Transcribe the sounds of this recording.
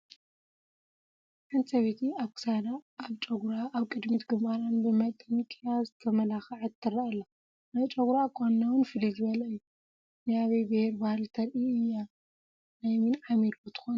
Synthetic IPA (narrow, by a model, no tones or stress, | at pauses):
ʔansʼɐβet̪ʰiaβkɨ̥sad̪aːβt͡ʃʼɐɡuɾaʔaβkʼɨd̪mit̪ɡɨmbaɾanbɨmɐt̪ʼɨnikʼjazɨt̪ʰɐmɐlaxʕat̪ʰːɨɾaalːa | najt͡ʃʼɐɡɾakʰʼonːawʊnfɨlizɨβɐlɐɨjːu | zjaβejbɨheɾbahlt̪ʰɐɾʔiɨjːa | najmɨnʕamelot̪ʰɨ̥xon